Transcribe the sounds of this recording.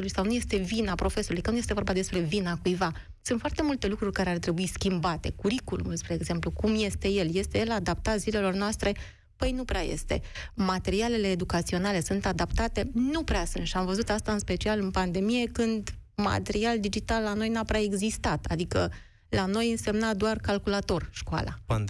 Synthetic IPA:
lujsawnuje̞st̪e̞vinapɾo̞fe̞souluijkənuje̞st̪eo̞rbad̪e̞spɾe̞vinakujva | sunt̪fart̪e̞mult̪e̞lukɾurʲkaɾe̞art̪ɾe̞buiskʲimbat̪e̞kuɾikulṵmulspɾe̞ːɡze̞mplukumje̞st̪e̞je̞lje̞st̪e̞je̞lad̪ap̚t̪at̪zile̞lo̞rnoast̪ɾe̞ | pəjnupɾeaje̞̰st̪e̞̰mat̪e̞ɾiale̞le̞ːd̪ukat̪sio̞nale̞sunt̪ad̪apt̪at̪e̞nupɾeasunt̪ʃiamvəzut̪ast̪aɨnspe̞t͡ʃialɨnpand̪e̞mije̞kɨnd̪ | ma̰t̪eɾiald̪id͡ʒit̪alːano̞jnapɾʲae̞ɡzist̪at̪a̰d̪ikə | lano̞jɨnse̞mnad̪oarkalkulat̪o̞rʃkoa̰la̰

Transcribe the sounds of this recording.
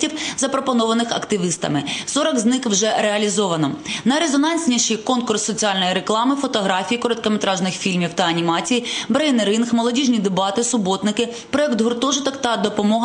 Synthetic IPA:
tʲiwzɐpɾɔpɔnɔʋɐnɪxɐ̰kt̪ɪʋɪst̪ɐ̰mɪsɔɾɔkznɪkwʒɛɾeɐlʲizɔʋɐnɔnɐjɾezɔnɑnʲsʲnʲiʃikɔnkʊrsːɔt͡sʲiɑlʲnɔjiɾe̞klˠɑmɪfɔt̪ɔɦɾɑfʲijikɔɾɔd̪̚kɐmet̪ɾɑʒnɪxfʲilʲmʲiwt̪ɐːnʲimɑt͡sʲijibɾejneɾɪnxmɔlˠɔdʲiʒnʲid̪ebɑt̪ɪsʊbɔt̪nɪkɪ | pɾɔɛkt̪ɦʊrt̪ɔʒʊt̪ɔkt̪ɐd̪ɔpɔmɔɦ

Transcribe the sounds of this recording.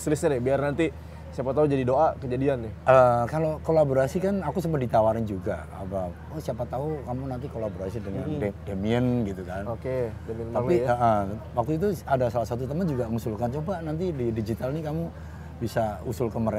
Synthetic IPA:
st̪ɾɪsɲanɪbiarnant̪i | siapat̪aud͡ʒadidoʔakəd͡ʒadianːɪʔəkalokolaboɾasikanakusəmpət̪̚dit̪awaɾɪnd͡ʒuɡa̰ | a̰ba | wəsiapat̪aukamunant̪̬ikolaboɾasidəŋandedemiənɡit̪ukanokedemiənt̪aliəʔəwak̚t̪uit̪̬uadasalasat̪̬ut̪̬əmənd͡ʒuɡaŋusulkant͡ʃobanant̪ididid͡ʒit̪alnikamu | bisausʊlkənməɾe

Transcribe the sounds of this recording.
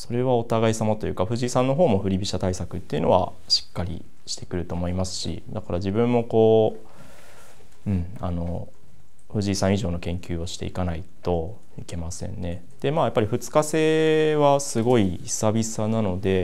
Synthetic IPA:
so̞ɾe̞βao̞t̪aɡaisamat̪o̞jɯ̟ːkaɸɯ̟ʑiːsãnːo̞ɦo̞ːmo̞ɸ̟ɾʲibʲiɕat̪aisakɯ̟t̪ːe̞iɯ̟no̞̰βa̰ | ɕi̥kːaɾʲḭ | ɕi̥t̪e̞kɯ̟ɾɯ̟t̪o̞ːmo̞imasɨ̥ɕḭd̪akaɾaʑibɯ̟̃mːo̞ko̞ː | ɯ̟̃ɴ | ano̞ | ɸɯ̟ʑiːsãɰ̃iʑo̞ːno̞kẽ̞ŋkʲɨːoɕi̥t̪e̞̰ikanait̪o̞ | ike̞masẽ̞̰nːe̞ | d̪̥e̞maːjapːaɾʲiɸɯ̟t͡sɨ̥kase̞ːβasɨɡo̞i | sabʲisanano̞d̪e̞

